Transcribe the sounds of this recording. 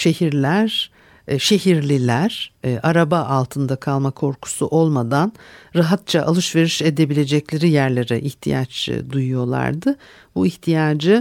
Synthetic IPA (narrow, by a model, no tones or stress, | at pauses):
ʃe̞hiɾlʲæɾ | ʃe̞ɦiɾlʲilʲæɾ̥ʔaɾabaʔalˠt̪ʰɯnd̪akʰalˠmakʰo̞ɾkʰu̥suʔo̞lˠmad̪anɾaɦat̪̚t͡ʃʰaʔa̰lˠɯʃve̞ɾiʃe̞d̪e̞bilʲe̞d͡ʒɛclʲe̞ɾijæɾlʲe̞ɾɛʔiçt̪ʰḭja̰t͡ʃd̪ujujo̞lˠa̰ɾd̪ɯ | buiçt̪ʰijaːd͡ʒɯ